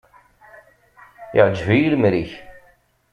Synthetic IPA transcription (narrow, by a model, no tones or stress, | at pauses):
ɪʕd͡ʒvijilmɾiç